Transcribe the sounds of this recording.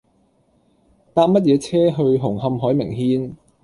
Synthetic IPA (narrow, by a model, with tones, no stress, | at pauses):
t̪aː˧p̚mɐ˥t̚jɛː˨˧t͡sʰɛː˥ɦɵ˧ɥɦʊ˨˩ŋɦɐ˧mɦɔː˨˥jmɪ˨˩ŋɦiː˧n